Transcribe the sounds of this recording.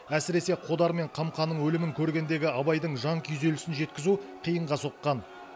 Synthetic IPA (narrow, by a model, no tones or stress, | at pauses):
æsɪɾe̞se̞qʰo̞d̪ɑɾme̞ɴqʰɑmqʰɑnːəɴwɵlɪmɪŋkʲʰɵɾɡʲe̞nd̪e̞ɡʲɪɑbɑjd̪əɴʒɑŋkʲʰyjze̞lɪsɪnʒe̞t̪kʲɪzuqʰijəɴʁɑso̞qːɑn